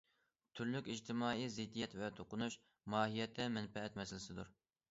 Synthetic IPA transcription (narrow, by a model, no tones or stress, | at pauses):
t̪ʰyɾlykʲid͡ʒt̪ʰɪmɑːizɪd̪ːijɛt̪vɛt̪ʰoqʊnuʃ | mɑːɦijɛt̪ʰːɛmɛnfɛɛt̪mɛsɪlɪsɪd̪uɾ